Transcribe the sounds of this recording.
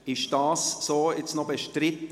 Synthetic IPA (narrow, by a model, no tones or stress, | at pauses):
ɪʃd̥ɑːssoːɪt͡snɔbəʃtɾɪt̪